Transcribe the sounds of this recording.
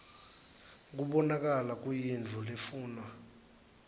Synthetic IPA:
k̬ʼuɓɔnak̬ʼalak̬ʼujind͡ɮʱulefuːnwa

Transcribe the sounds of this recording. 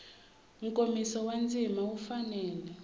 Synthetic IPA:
ŋ̩kʼomisɔwand͡zʱimaufanɛːlɛ

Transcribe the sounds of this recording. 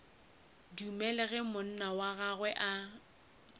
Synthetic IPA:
diumɛlɛɣɛmʊn̩nawaɣaɣwɛʔa

